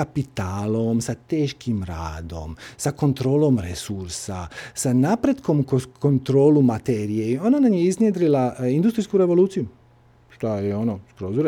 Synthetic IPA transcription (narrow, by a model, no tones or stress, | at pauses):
apit̪aːlo̞msat̪eːʃkʰimɾa̰ːd̪o̞̰msako̞nt̪ɾo̞ːlo̞mɾesuɾsa̰sanapɾe̞d̪ko̞mko̞nt̪ɾo̞ːlumat̪eɾije̞io̞nanamjeiznjed̪ɾilaind̪ust̪ɾiskuɾe̞ʋo̞luːt̪siju | ʃt̪ajeonoskɾozuɾe